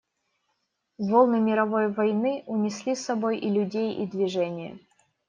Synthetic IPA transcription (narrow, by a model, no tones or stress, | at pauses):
volˠnɨmʲɪɾɐvo̞jvɐjnɨʊnʲɪsʲlʲisːɐbo̞jʔɪlʲʊdʲejid̪vʲɪʐɛnʲɪjə̰